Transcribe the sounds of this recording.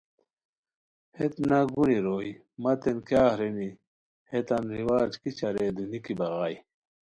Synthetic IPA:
het̪naɡuniɾoːj | mɐt̪enkjaːhɾeni | het̪ɐnɾiwaːd͡ʑkit͡ɕɐɾed̪unikibɐɣaːj

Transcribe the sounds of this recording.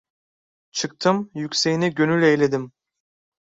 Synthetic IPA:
t͡ʃʰɯk̚t̪ʰɯmjykcʲse̞jiniɟønylʲejlʲe̞d̪im

